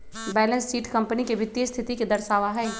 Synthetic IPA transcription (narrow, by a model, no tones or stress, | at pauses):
bɛːlə̃nsːiːʈkɐ̃mpənikeʋɪt̪ːjəst̪ʰɪt̪iked̪ɐɾʃaːʋaɦɛː